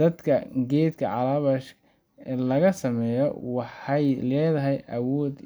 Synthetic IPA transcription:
d̪ɐd̪kʰɐɡɛːd̪kʰɐʕɑlaβɐʃ | lɐɣɐsɐmɛːjɔ̰wɑħɑjlɛːðɐɦɛjʔɐwɔːd̪

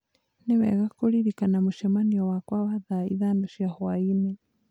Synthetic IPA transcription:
newɛ̰ɣakoɾiɾikanamoʃɛmaniɔwakwawaðaiðandoʃiahwaine

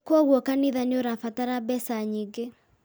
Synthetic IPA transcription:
kɔɣwɔkaniðanoɾafataɾabɛsaɲiɡe

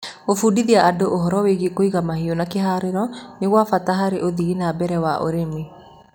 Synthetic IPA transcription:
ofudiðiaʔadoʔoɦɔɾɔweɣekoiɣamahionakeɦaːɾeɾɔneɣwafataɦaɾeʔoðiɣinabɛɾɛwaʔo̰ɾeme

